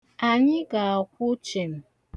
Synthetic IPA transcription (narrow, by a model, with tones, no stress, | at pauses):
a˨ɲi˦ɡa˨a˨kʷu˦t͡ʃe˨m˨